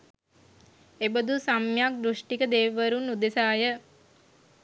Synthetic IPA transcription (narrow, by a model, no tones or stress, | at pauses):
ebəd̪usamjak̚d̪ɾuʂʈikəd̪eːʋəɾunːud̪esaːjə